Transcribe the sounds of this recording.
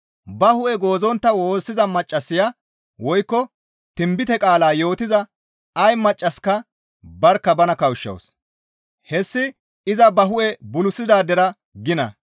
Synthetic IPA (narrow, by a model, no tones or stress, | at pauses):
bɐhʊʔɛɡo̞ːzɔnt̪ːɐwo̞ːsːɪzɐmɐt͡ʃʼːɐsːɪja | wɔjkːɔ | t̪ɪmbɪt̪ɛkʼaːlaːjo̞ːt̪ɪzɐ | ɐjmɐt͡ʃʼːɐskɐ | bɐɾkːɐbɐnɐkɐwʊʃːɐ̰ws | hɛsːɪ | ɪzɐbɐɦʊʔɛbʊlʊsːɪd̪aːd̪ɛɾɐ | ɡɪnɐ̰